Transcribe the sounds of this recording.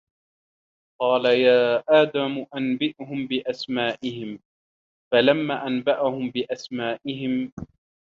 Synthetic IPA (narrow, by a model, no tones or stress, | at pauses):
qɑːlajaːʔaːd̪amʊʔanbɪʔhʊmbɪʔasmaːʔɪhɪm | falamːaːʔanbaʔahʊmbɪʔasmaːʔɪɦɪm